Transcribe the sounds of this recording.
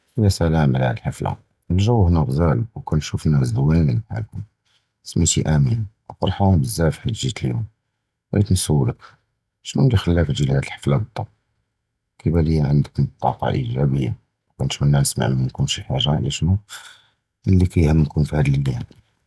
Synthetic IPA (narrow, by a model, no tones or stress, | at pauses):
ʔəjæsælæməlhæ̰d̪əlħəfla̰ | əlʒæwːhnæɣzælwkænʃufnːæsd̪əwænlinəħa̰lkʊm | smit̪iʔæmin | fɑɾˤħawnbəzːæfħaʒit̪əljum | æit̪nsəwːlək | ʃnunlixəlːæfəʒilhæd̪əlħə̥flabət̪ˤːɑb̚ | kibæləjːæʕənd̪əkt̪ˤːɑqɑ̰ʔḭʒæbəjːa | kænʃunːænəsma̰ʕmmænkunʃiħaʒːaʕlæʃnu | mənlːikæjhəmːnkunfihæd̪llːjæn